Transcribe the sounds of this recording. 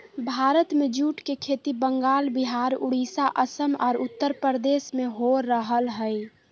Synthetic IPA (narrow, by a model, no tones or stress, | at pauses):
bʱaːɾət̪mẽd͡ʒuːʈkekʰeːt̪ibəŋɡaːlbiɦaːɾʊɽisaʔəsəmɔ̰ːɾʊt̪ːəɾpəɾd̪eːsmẽɦoɾːəɦəlɦəj